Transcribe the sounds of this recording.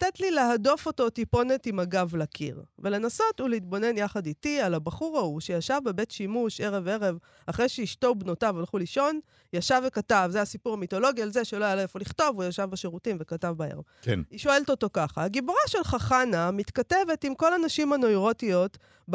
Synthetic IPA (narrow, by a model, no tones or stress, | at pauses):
t̪etlileɦado̞fo̞to̞tipo̞netimaɡavlakʰḭʁve̞le̞naso̞tuleit̪̚bo̞ne̞njaχaditialabaχuʁauʃejaʃavbebetʃimuʃe̞ʁe̞ve̞ʁe̞v | aχʁejʃeiʃtoubno̞tavalχuliʃo̞n | jaʃavekatavzeasipuʁamito̞lo̞ɡialzeʃeloajalefoliχto̞vujaʃavbaʃeʁutimvekatavbaḛʁḛvkniʃo̞e̞lto̞to̞kaχaːɡiboʁaʃe̞lχaχanamit̪kate̞ve̞timko̞lanaʃimanoiʁo̞tijo̞t | b